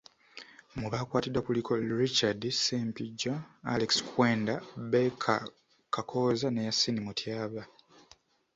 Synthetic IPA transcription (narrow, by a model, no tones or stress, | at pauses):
muβaːkwaːtidwakulikʰo̞ɾit͡ʃadsempiɟːaa̰lekskʰweːndabekʰa̰ | kʰakʰoːzanejasːinimutʰjaːβa